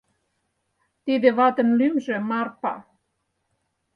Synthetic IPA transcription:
t̪id̪ĕβɑt̪ə̆nlymʒĕmɑrpɑ̰

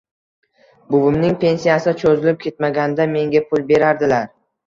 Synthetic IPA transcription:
bʊbɪmnɪŋpʰe̞nsijasɪt͡ʃʰozɪlɪp̚kʲe̞t̪maɡʲand̪ame̞ŋɡʲapʰʊlˠbe̞ɾaɾd̪ɪlaɾ

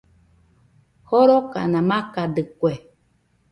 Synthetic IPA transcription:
hoɾoka̰nãmãkadɨkwe

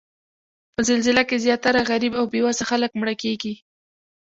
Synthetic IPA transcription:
pəzɪlzɪlakezjɑt̪aɾaɣaɾibawbewazaxaləkmɽəkeɡi

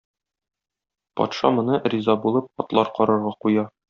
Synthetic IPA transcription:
pɒ̰t̪ʃɑ̰mŏnɤrʲizɑbulˠɤp̚ɒt̪lˠɑɾqɒɾɤ̆ɾʁɑqujɑ

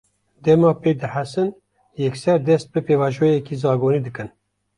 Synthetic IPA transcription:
d̪ɛmɑːpeːd̪ɨħasɨn | jɛksɛɾd̪ɛst̪̚bɨpeːvɑːʒoːjɛkizɑːɡoːniːd̪ɨkɨn

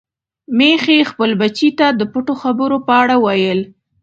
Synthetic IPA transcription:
mexexpəlbat͡ʃit̪ad̪əpəʈoxabəɾopəaɽawajəl

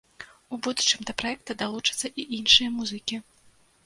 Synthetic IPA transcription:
ubud̪ut͡ʂɨmd̪ɐpɾajɛk̚t̪ɐd̪alˠut͡ʂɨt̪sːɐʔiʔinʂɨjɐmuzɨkʲi

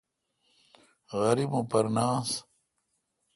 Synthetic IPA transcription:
ɣɐɾibũpɐɾnaːs

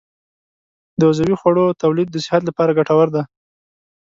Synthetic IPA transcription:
d̪əazawixwaɽot̪awlid̪ːəsɪ̥hat̪̬lapɑɾaɡaʈawaɾd̪a

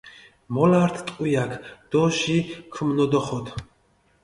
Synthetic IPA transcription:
mɔlaɾt̪ʰt̪ʼqʼujakʰd̪̥ɔʒikʰəmnɔd̪ɔχɔt̪ʰ

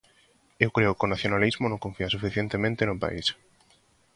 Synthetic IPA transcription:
ewkɾeʊkonaθjonalizmonõŋkõɱfiasufiθjent̪emẽnt̪enʊpa̰is

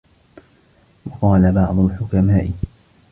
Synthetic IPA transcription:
wɑqɑːlabɑʕd̪ˤʊlħʊkamaːʔɪ

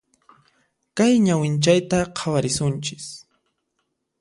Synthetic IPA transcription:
kajɲawɪnt͡ʃajt̪aqʰawaɾɪsʊnt͡ʃɪ̥s

